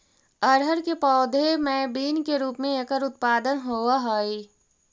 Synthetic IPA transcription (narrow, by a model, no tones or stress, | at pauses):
əɾɦəɾkepɔːd̪ʱemɛːbiːnkeɾuːpmẽekəɾʊt̪̚paːd̪ənɦoːaɦoːi